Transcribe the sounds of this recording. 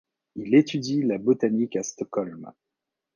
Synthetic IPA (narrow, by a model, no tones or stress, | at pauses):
ilet̪yd̪ilabot̪anikast̪ɔkɔlm